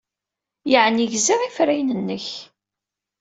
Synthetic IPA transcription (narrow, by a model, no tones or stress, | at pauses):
jəʕniʝziʁifɾæjnənːəç